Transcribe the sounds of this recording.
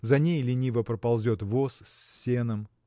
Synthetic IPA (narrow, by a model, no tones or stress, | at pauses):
zɐnʲejlʲɪnʲivəpɾəpɐlˠzʲot̪vosːʲe̞nɨm